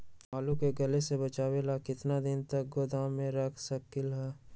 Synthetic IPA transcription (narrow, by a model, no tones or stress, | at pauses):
aːlukeɡɐlesebɐt͡ʃaːwelakɪt̪nad̪ɪnt̪ɐk̚ɡoːd̪aːmẽɾɐkʰsɐkɪlɦɛː